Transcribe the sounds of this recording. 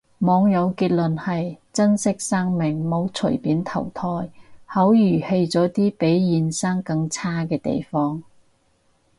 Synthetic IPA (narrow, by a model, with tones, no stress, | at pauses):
mɔː˨˧ŋjɐ˨˧wkiː˧t̚lɵ˨nhɐ˨jt͡sɐ˥nsɪ˥k̚sɐː˥ŋmɪ˨˩ŋmo˨˧˥wt͡sʰɵ̰˨˩jpiː˨˥nt̪ʰɐ˨˩wt̪ʰɔː˧jhɐ˨˥wjyː˨˩he˧jt͡sɔː˨˥t̪iː˥pe˨˥jjiː˨˧nsɐ˥ŋkɐ˧ŋt͡sʰaː˥kɛː˧t̪ḛ˨jfɔː˥ŋ